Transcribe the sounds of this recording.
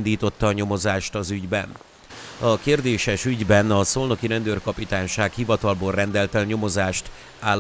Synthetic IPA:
nd̪iːt̪o̞t̪ːɒːɲo̞mo̞zaːʃt̪ɒzyɟbɛ̰n | ɒkeːrd̪eːʃɛʃyɟbɛnɒsolno̞kiɾɛnd̪øːrkɒpit̪aːnʃaːkhivɒt̪ɒlboːlrɛnd̪ɛlt̪ɛlɲo̞mo̞zaːʃt̪ | aː

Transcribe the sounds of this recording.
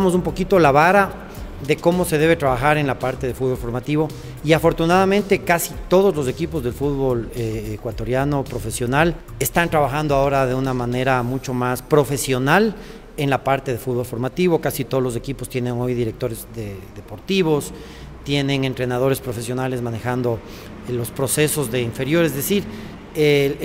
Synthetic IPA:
mos̬umpo̞kit̪olaβaɾa | ðe̞ko̞mo̞se̞ðe̞β̞e̞t̪ɾaβaxaɾe̞nlapaɾt̪e̞ðefud̪βolfo̞ɾmat̪iβo̞ | iafo̞ɾt̪unaðamẽnt̪e̞kasit̪o̞ð̞o̞zlo̞s̬e̞kipo̞zðe̞lfuðβo̞leekwat̪o̞ɾjano̞pɾo̞fe̞sjo̞nal | e̞st̪ant̪ɾaβaxand̪oao̞ɾaðe̞unamane̞ɾamut͡ʃo̞maspɾo̞fe̞sjo̞nal | e̞nlapaɾt̪eðefud̪βo̞lfo̞ɾmat̪iβo̞kasit̪oðlo̞s̬e̞kipo̞st̪je̞nẽ̞ŋo̞jðiɾe̞k̚t̪o̞ɾezðeðe̞po̞ɾt̪iβo̞s | t̪je̞nẽ̞ŋe̞nt̪ɾe̞nað̞o̞ɾespɾo̞fe̞sjonale̞zmãne̞xand̪o̞ | lo̞spɾo̞se̞so̞zðeiɱfe̞ɾjo̞ɾe̞zðe̞siɾ | e

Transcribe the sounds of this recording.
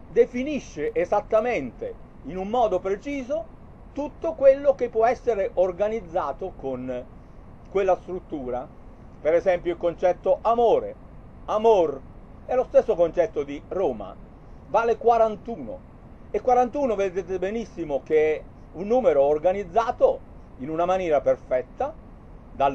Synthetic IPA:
d̪efiniʃːeʔezat̪ːament̪ḛ | inumːɔːd̪opɾet͡ʃiːzo | t̪ut̪ːokwelːok̟epːwɔɛsːeɾeʔorɡanid̪zːaːt̪okon | kwelːast̪ɾut̪ːuːɾa | peɾɛzɛmpjoilkont͡ʃɛt̪ːoʔamoːɾe | amor | ɛlːost̪esːokont͡ʃɛt̪ːod̪iroːma̰ | vaːlekwaɾant̪uːno̰ | ekːwaɾant̪uːnoved̪eːt̪ebenisːimok̟eɛ | unːuːmeɾoːrɡanid̪zːaːt̪oinunamanjɛːɾaperfɛt̪ːa | d̪al

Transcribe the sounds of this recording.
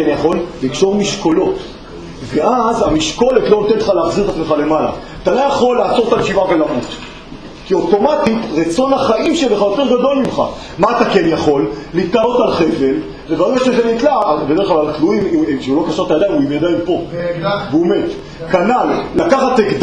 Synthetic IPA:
enjaχo̞lːikʃo̞ʁmiʃko̞lo̞t | veazamiʃko̞letlo̞imt̪ente̥χaleaχziʁt̪at͡smeχale̞mala̰ | at̪alojaχo̞lːaːt͡so̞ʁtalʃivave̞lamut̪ | kio̞to̞matitʁet͡so̞naχaʔimʃeleχajo̞teʁɡado̞lmimχa̰ | maːt̪akenjaχo̞lːitalo̞talχeve̞l | vevauaʃezenit̪labedeχlalaltluimʃeulo̞kaʃat̪ajad̪ajmuimjad̪aimpo̞veomet | kanalːakaχat̪ekd

